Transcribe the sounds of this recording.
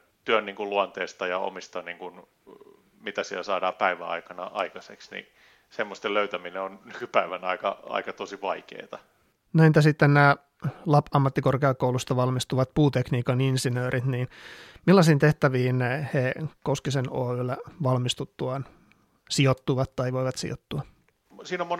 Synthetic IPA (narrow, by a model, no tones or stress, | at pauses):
t̪yønniːŋkuluɑnt̪eːst̪ɑjɑo̰mist̪ɑniːŋkun | mit̪æsielsɑːdɑːpæiʋæ̰ɑ̰ikɑnɑ̰ʔɑ̰ikɑseksnḭ | semːost̪eløyt̪æmineonnykypæiʋænɑ̰ikɑ̰ɑ̰ikɑt̪osiʋɑikḛːt̪ɑ | nent̪æsit̪ːennæː | lɑpɑmːɑt̪ːikorkeɑkːoulust̪ɑʋɑlmist̪uʋɑt̪̚puːt̪ekniːkɑninsinøːɾʔit̪niːnmilːɑsiːnt̪eht̪æʋiːnhekoskiseno̰ːylːæʋɑlmist̪ut̪ːuɑn | siot̪ːuʋɑt̪tɑiʋoiʋɑt̪sḭo̰t̪ːuɑ | siːnomon